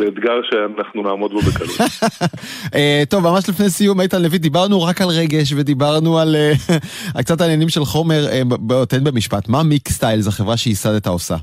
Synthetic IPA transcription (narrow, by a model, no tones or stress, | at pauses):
beːd̪ɡaʁʃeanaχnunaːmo̞d̪̚bobekalu | et̪o̞vmamaʃlifnejsijumejt̪anlevid̪ibaʁnuʁakalʁe̞ɡe̞ʃ̬ve̞d̪ibaʁnualea̰lk̚t͡sataːnjenimʃe̞lχo̞me̞ʁebeotenbemiʃpatmamikst̪ajlzaχevʁaʃeisadetaosa̰